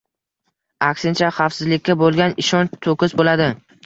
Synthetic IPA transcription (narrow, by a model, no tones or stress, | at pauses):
akʲsɪnt͡ʃʰaχafsɪzlɪkʲːabolˠɡʲanɪʃɒnt̪ʰokʰʲɪzbolad̪ɪ